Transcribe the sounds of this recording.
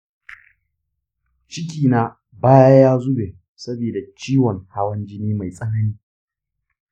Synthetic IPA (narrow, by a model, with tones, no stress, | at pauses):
t͡ʃɪ˦kʲiː˨naː˦ | baː˦ja˦jaː˦zʊ˦beː˨ | sɐ˦biː˨da˨t͡ʃiː˦wɔ˨ŋha˦wɐ˦nd͡ʒɪ˦niː˦ma˨jsʼɐ˦nɐ˦niː˦